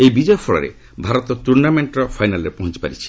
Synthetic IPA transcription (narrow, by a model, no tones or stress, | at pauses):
ejbid͡ʒɔjɔpʰɔɭɔ̰ɾḛ | bʱaɾɔt̪ɔt̪uɾnameɳʈɾɔpʰajnalɾepɔɦɔ̃t͡ʃi̥pa̰ɾit͡ʃʰi̥